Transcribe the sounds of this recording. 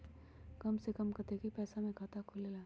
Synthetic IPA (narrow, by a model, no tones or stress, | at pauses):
kɐmsekɐmkɐt̪eːkʰipɛːsamẽkʰaːt̪akʰʊlelaː